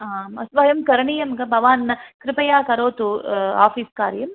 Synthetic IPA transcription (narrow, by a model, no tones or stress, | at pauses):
aːmɐ̰sʋɐjɐmkɐɾɐɳijɐmɡɐbʱɐʋaːnːɐkɾɪpɐjaːkɐɾoːt̪ua̰ːfiːskaːɾjɐm